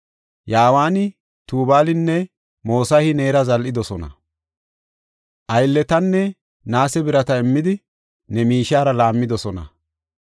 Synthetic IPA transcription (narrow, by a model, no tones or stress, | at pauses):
jaːwaːnɪ | t̪uːbaːlɪnːɛ | mo̞ːsɐhɪne̞ːɾɐzɐlʔɪd̪ɔsɔnɐ̰ | ʔɐjlːɛt̪ɐnːɛ | naːsɛbɪɾɐt̪ɐɪmːɪd̪ɪ | nɛmiːʃaːɾɐlaːmːɪd̪ɔsɔnɐ̰